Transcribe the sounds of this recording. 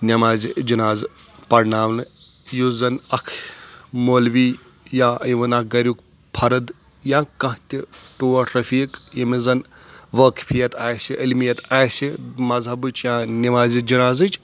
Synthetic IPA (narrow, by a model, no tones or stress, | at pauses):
nʲɐmaːzid͡ʒinaːz | pɐɾnaːʋnɨjuzɐnɐkʰmoːlʋiː | jãːʋɐnak̚ɡɐɾʲuk | pʰɐɾɨd̪ | jãːkɐ̃ɦt̪ʲiʈoːɐʈɾɐfiːkjɐmizɐn | ʋɐkfʰijɐt̪aːjsʲiʔɐlmijɐt̪aːsʲimɐzɦɐbɨt͡ʃʰjãːnʲimaːzid͡ʒɐnaːzɨt͡ʃ